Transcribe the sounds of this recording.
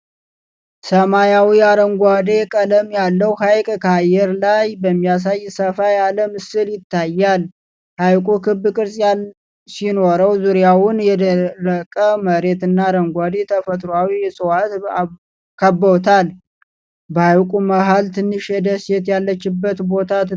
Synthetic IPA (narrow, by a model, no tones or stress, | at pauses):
səmajawiaɾəŋɡʷad̪e̞kʼələmjalːəwhajkʼkʰajːɛɾlajbəmːijas̬ajːsəfajaləmɨsɨljɪt̪ːajːal | hajkʼukʰɨbkʼɨɾsʼjal | sino̞ɾəwzuɾijawʊnjɛd̪əəkʼəməɾe̞t̪ɨnːaɾəŋɡʷad̪e̞t̪ʰəfət̪ʼɾoawijɛsʼɨwat̪ | kʰəbːəwt̪ʰal | bəawkʼuməɦalt̪ʰɨnːɨʃjɛd̪əsjɛt̪jalːət͡ʃːɪbːət̪bo̞t̪ʰat̪